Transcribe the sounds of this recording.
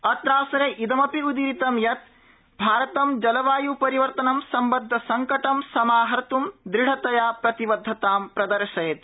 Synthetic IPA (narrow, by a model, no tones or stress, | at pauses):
ɐt̪ɾaːsɐɾeʔid̪ɐmɐpiud̪iɾit̪ɐmjɐt̪̚ | bʱaːɾɐt̪ɐmd͡ʒɐlɐʋaːjupɐɾiʋɐɾt̪ɐnɐmsɐmbɐd̪ʱːɐsɐŋkɐʈɐmsɐmaːɦɐɾt̪umd̪ɾiɽ̤ɐt̪ɐjaːpɾɐt̪iʋɐd̪ʱːɐt̪aːmpɾɐd̪ɐɾʃɐjet̪